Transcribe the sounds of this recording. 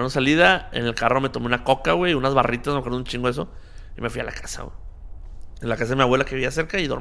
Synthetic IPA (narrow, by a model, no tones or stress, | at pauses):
nsaliðaḛne̞lkaro̞me̞t̪omeunako̞kaɣwe̞unazβarit̪asmekweɾðunt͡ʃĩŋɡoes̬o̞ime̞fwiala̰kasa̰wḛ | elakas̬aðemiaβwe̞lakeiβias̬e̞ɾkaiðo̞ɾ